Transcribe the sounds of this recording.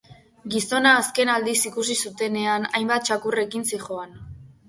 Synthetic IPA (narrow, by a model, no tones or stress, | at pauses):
ɡiso̞naːske̞nald̪isikusisut̪e̞ne̞ana̰jmbat̪̚t͡ʃakure̞kinsixo̞an